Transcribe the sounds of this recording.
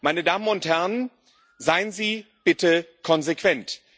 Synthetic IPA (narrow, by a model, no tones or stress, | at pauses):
maɪnədaːmənʊnthɛʁn | zaɪənziː | b̥ɪtəkʰɔnzekv̥ɛnt